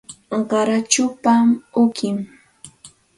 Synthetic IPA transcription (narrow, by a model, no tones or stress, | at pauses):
ɢɑɾat͡ʃʊpamʊkʰɪm